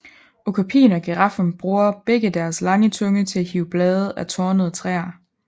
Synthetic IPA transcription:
okʰæpʰḭːnɒ̽ɡ̥eʁɑ̈fn̩b̥ʁuːɐb̥eɡ̥əd̥æɐslɑ̈ŋət͡sʰɔ̽ŋət͡sʰe̝æhiʊb̥lɛːðˠæt͡sʰɒːnəð̞̩ˠt͡sʰʁɛ̰ːɐ

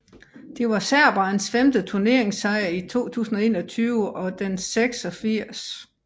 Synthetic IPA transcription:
d̥e̝ʋɑ̈sæɐ̰b̥ɑ̈nsfemd̥ət͡sʰuɐne̝ɐ̰eŋsɑ̈ɪɐit͡sʰo̝̰ːt͡sʰṵːsn̩ɒe̝̰ːnɒ̽t͡sʰyːʊəʔɒ̽d̥enseɡ̥sɒ̽fiɐ̰s

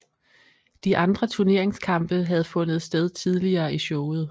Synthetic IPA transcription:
d̥iʔɑ̈nd̥ʁɐt͡sʰuɐne̝ɐe̝ŋskʰɑ̈mb̥əɦæð̞̩ˠfɔ̽nð̞̩ˠsd̥eð̞ˠt͡sʰið̞ˠliɐːiɕɔʊð̞̩ˠ

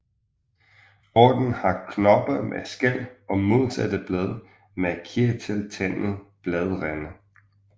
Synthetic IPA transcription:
ɒːd̥n̩hɑ̈kʰnɒ̽b̥ɐmʔesɡ̥æl̰ɒ̽mo̝ð̰ˠsæd̥əb̥lɛðˠ | mekʰiɐt͡sʰelt͡sʰæn̰ð̩ˠb̥lɛðˠʁænə

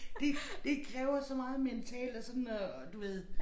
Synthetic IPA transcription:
d̥e̝d̥e̝kʰʁɛːʊɐsɒ̽mɑ̈ːð̞̩ˠment͡sʰɛ̰ːld̥ɒ̽sɒ̽nnɒ | d̥uʋe̝ð̞̰ˠ

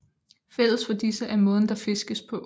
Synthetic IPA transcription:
fel̰̩ˠsfɒ̽d̥isəʔæɐmɔ̽ːðˠn̩d̥ɑ̈fe̝sɡ̥əspʰɒ̽

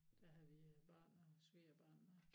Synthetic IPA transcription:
d̥æɦæʋib̥ɑ̈ːnɒsʋiːɐb̥ɑ̰̈ːnnə

